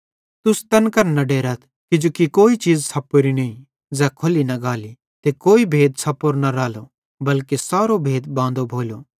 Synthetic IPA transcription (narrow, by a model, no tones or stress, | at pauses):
t̪ʊst̪ɐnkɐɾnɐɖeːɾət̪ʰ | kɪd͡ʒokikoːit͡ʃiːzsʰɐpːoɾinɐĩ | zɛːkʰʊlinɐɡaːli | t̪ekoːibʱeːd̪sʰɐpoɾnɐɾaːlo | bɐlkesaːɾobʱeːd̪bãːn̆d̪obʱoːloː